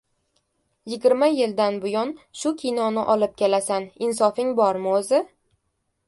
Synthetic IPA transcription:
jɪɡʲɪɾmajɪld̪anbʊjɒnʃʊkʲʰinɒnɪʔɒlˠɪp̚kʲʰelasanɪnsɒfɪŋbɒɾmɪozɪ

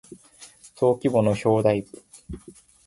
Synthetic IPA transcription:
t̪ʰo̞ːkʲibo̞no̞ɕo̞ːd̪ai

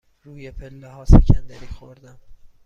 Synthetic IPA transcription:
ruːjepʰelːehɒːsḛcʰænd̪æɾiːxoɾd̪æm

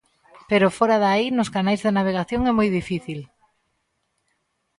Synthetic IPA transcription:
peɾʊfoɾaðainʊskanajzðenaβ̞eɣ̞aθjoŋɛmojðifiθil

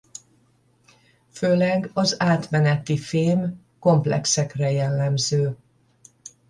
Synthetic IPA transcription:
føːlɛɡɒzaːt̪mɛnɛt̪ifeːm | ko̞mplɛ̰ksɛkrɛjɛlːɛmzøː

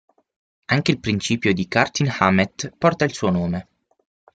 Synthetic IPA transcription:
aŋk̟eilpɾint͡ʃiːpjod̪ikart̪inhamet̪pɔrt̪ailsuːonoːme

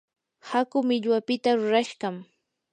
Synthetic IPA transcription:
hakʊmɪʎwapɪt̪aɾʊɾaʃɢɑm

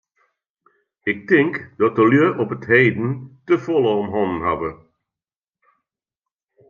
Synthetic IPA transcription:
ɪk̚tɪŋkd̥̪ɔt̚əljøʔɔpətheɪd̪n̩t̪əfɔlˠəɔmɦɔnn̩ɦavə

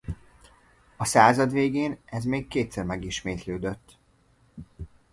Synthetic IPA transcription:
ɒsaːzɒd̪veːɡeːnɛzmeːkkeːt̪sɛrmɛɡiʃmeːt̪løːd̪øt̪ː

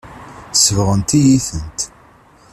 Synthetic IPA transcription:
səvʁənt̪ijiθənt̪

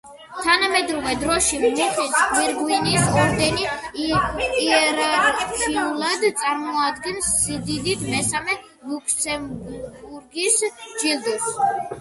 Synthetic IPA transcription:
t̪ʰanamɛd̪ɾɔvɛd̪ɾɔʃimniχismiɾɡ̪winisɔmd̪ɛni | ɛɾaɾkʰiulˠad̪t̪sʼaɾmɔad̪ɡɛnsːid̪id̪it̪ʰmɛsamɛ | mukʰt̪sʰɛmbbuɾɡisd͡ʒilˠd̪us

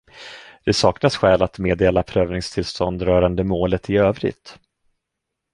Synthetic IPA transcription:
d̪̥ɛsɑːknasɧɛːlat̪meːd̪eːlapʰɾøːvnɪŋst̪ʰɪlst̪ɔnd̪ɾœːɾand̪əmoːlət̪ɪøːvɾɪ̰ɡt̪

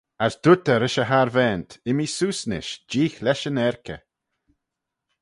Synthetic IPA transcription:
asd̪ʊt̪əɾɪʃəɦaɾvɛːnt̪ʰɪmisuːsnɪ̰ʃd͡ʒiːxlɛʃənɛɾkə̰

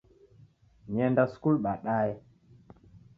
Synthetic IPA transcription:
ɲɛndaskulɓaɗaɛ

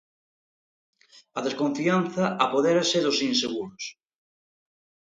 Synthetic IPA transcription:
ɐðeskõɱfianθɐʔapoðeɾaseðʊsinseɣ̞uɾos

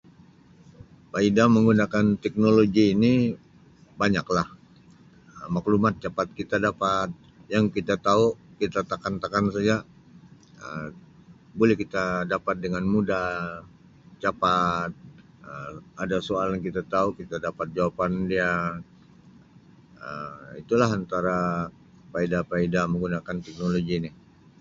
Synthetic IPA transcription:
paidaməŋɡunakant̪ɛk̚noloɡiːni | baɲaklah | əmaklumat̪̚t͡ʃapat̪̚kit̪adapat̪̚ | jaŋkit̪at̪aukit̪at̪akant̪akansad͡ʒa | ə | bolɛhkit̪adapat̪̚dəŋanmuda | t͡ʃapat̪̚ | əadasoaljaŋkit̪at̪aukit̪adapat̪̚d͡ʒawapandia | əmit̪ulaɦant̪aɾa | paidapaidaməŋɡunakant̪ɛk̚noloɡinɪ

